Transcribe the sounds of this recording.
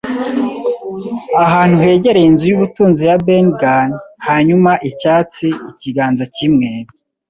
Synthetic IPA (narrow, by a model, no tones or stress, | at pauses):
aɦaːn̥huhe̞ːɟe̞ɾejinzujuβutuːnzijabenɡanhaɲumaʔicaːt͡siiciɡaːnzacimŋe̞ːɾi